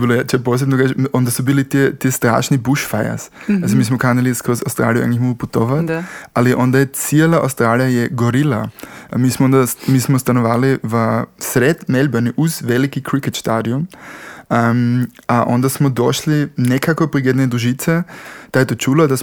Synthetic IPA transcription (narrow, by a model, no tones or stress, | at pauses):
bilojat͡ʃɛpos̬ebnokat͡ʃond̪asubiːlit̪iɛt̪ist̪ɾa̰ːʃnibuʃfaja̰sazimiːsmokanɛlist̪kɾosa̰wst̪ɾa̰ːlijua̰ŋkixmoɡuput̪oʋat̪aliʔond̪ajɛt̪sielaʔa̰wst̪ɾaːlijajɛɡoɾilamiːsmoõnd̪amiːsmost̪anoʋaːliʋəsɾet̪melʲbaniʔuzʋelikikɾikɛt̪ʃt̪aːd̪ium | aʔõnd̪asmod̪oʃlinekakopɾiɡjed̪nɛd̪ɾuʒit̪sɛd̪̥ajɛt̪ot͡ʃuːlad̪as